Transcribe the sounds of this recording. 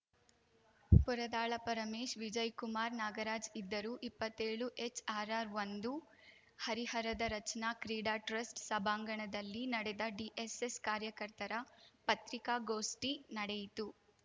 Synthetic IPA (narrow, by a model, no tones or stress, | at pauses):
puɾɐd̪aːɭɐpɐɾɐmeːʃʋid͡ʒɐjkumaːɾnaːɡɐɾaːd͡ʒid̪ːɐɾuːʔipːɐt̪ːeːɭuʔet͡ʃaːɾaːɾʋɐnd̪u | hɐɾihɐɾɐd̪ɐɾɐt͡ʃɐnaːkɾiːɽaːʈɾɐsʈsɐbʱaːŋɡɐɳɐd̪ɐlːinɐɽɛd̪ɐɖiʔeseskaːɾjɐkɐɾt̪ɐɾɐpɐt̪ɾikaːɡoːsʈinɐɽɛjit̪u